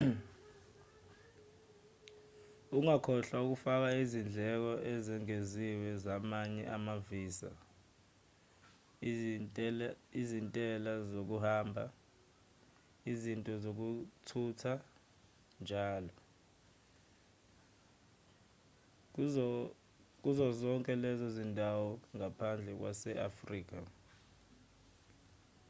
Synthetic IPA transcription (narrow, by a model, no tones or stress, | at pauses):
uŋakʰɔɬauk̬ufak̬aizind͡ɮʱɛk̬ɔʔɛzɛŋeziwɛzamaɲɛʔamaviːsa̰ | izintʼɛlazok̬uhaːmbʱa̰ | izintʼɔzok̬utʰutʰa | nd͡ʒʱaːlɔ | k̬uzɔzɔŋkʼɛlɛzɔzindʱawɔŋapʰand͡ɮʱɛk̬wa̰sɛʔafriːk̬ʼa